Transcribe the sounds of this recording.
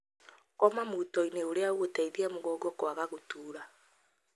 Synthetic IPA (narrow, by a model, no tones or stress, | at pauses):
kɔmamutɔineoɾeaɣwotaiðiamuɣɔɡɔkwaɣaɣotuːɾa